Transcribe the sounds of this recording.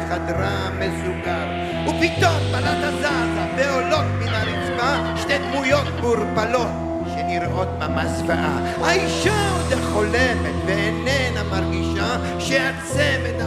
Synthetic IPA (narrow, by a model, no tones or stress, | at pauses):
χad̪ɾa | mesuɡaɾ | upit̪ot̪̚balatazazabeolot̪minaɾit͡sva | ʃnejd̪mujo̞t̪buɾpalo̞t̪̚ | ʃeniɾʔot̪mamasvaʔa̰ | aiʃaot̪aχo̞lemet̪veenenamaɾɡiʃa | ʃeat͡semet̪a